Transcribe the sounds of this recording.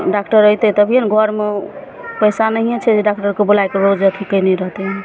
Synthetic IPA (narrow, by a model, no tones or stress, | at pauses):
ɖakʈəɾəjt̪ɛt̪əbʱijənɡʱɔɾme | pəjsanəɦiet͡ʃʰɛd͡ʒeɖak̚ʈəɾkebolajkeɾod͡ʒət̪ʰikəjniɾəɦt̪eɦn